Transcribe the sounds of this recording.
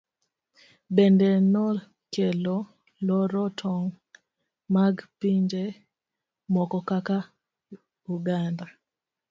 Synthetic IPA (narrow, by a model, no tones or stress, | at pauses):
bɛndɛnɔ | kelɔ | lɔɾɔtʰɔŋ | maɡpiɲd͡ʒe | mɔkɔkaka | uɡanda